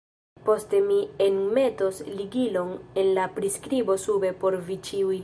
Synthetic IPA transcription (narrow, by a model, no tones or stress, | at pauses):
po̞ste̞mienme̞tosliɡilo̞ne̞nlapɾiskɾibo̞sube̞po̞ɾvit͡ʃiuj